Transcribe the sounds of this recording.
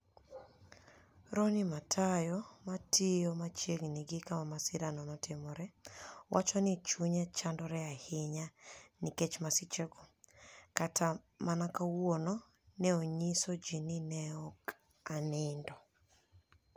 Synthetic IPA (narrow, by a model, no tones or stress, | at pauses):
ɾɔnɪmatʰajɔmatʰijomat͡ʃeɡniɡɪkamamasɪɾanɔnɔtʰɪmɔɾɛwʔat͡ʃɔnɪt͡ʃuɲɛt͡ʃandɔɾɛahɪɲaniket͡ʃmasɪt͡ʃɛɡɔkatʰa | manakawwonɔ | nɛoɲisod͡ʒinɪnɛɔk | anɪndɔ